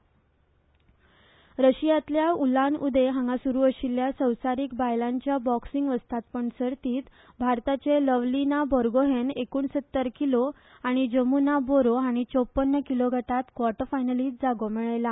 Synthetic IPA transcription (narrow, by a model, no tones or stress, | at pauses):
ɾəɕijat̪ljaulanud̪ʱeɦãŋɡasuɾuːəɕiljasəwsaɾiːkbajlãɲt͡ɕjabɔksiŋɡʋəst̪ʰat̪̚pəɳsəɾt̪iːt̪ | bʱaɾt̪at͡ɕeləʋlinabɔɾɡoɦenekuːnsət̪ːəɾkilo | aɽ̃id͡ʑəmunaboɾoaɽ̃it͡ɕopːənːəkiloɡʱəʈat̪kʋɔɾʈəfajnəliːt̪̚d͡zaɡomiɭajla